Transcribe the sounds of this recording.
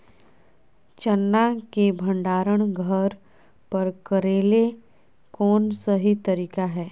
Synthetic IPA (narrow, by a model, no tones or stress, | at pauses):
t͡ʃənːakebʱə̃ɳɖaːɾəɽ̃ɡʱəɾ | pɐɾkəɾeːle | kɔːnsɐɦit̪ɐɾiːkaɦɛː